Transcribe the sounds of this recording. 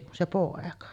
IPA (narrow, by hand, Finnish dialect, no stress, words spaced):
kun se poˑekɑ